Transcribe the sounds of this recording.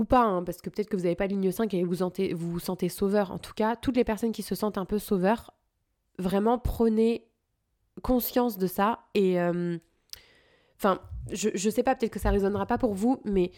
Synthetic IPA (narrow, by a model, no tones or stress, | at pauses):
upaɛ̃paʁsə̥kəpøt̪ɛt̪χəkəvuzavepaliɲjəsɛ̃kevusɑ̃t̪evusɑ̃t̪esovœʁɑ̰̃t̪u̥kat̪ut̪lepɛʁsɔnkʲisəsɑ̃t̪ɛ̃pøsovœʁ | vʁɛmɑ̃pχəne | kɔ̃sjɑ̃sd̪əsaeøm | ɑ̃fɛ̃ʒəʒəsɛpapø̥t̪ɛt̪χkəsaʁezɔnʁapapuʁvumɛ